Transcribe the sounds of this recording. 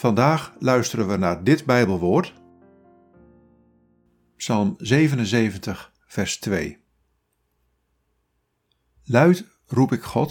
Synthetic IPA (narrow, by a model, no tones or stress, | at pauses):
v̥ɑndaːχlœɥstərənʋənaːɹdɪtbɛjbəlˠʋʊːɹt | psɑlˠmzejvənənzejvəntəχ | fɛɹstʋej | lœɥt | rupɪkχɔt